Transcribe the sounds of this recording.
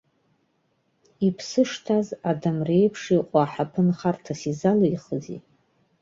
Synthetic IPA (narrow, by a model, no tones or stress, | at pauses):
ipʰsɨʂtʰazadamrejpʰʂiqʼaːħapʰɨnχartʰasizaloiχəzḭ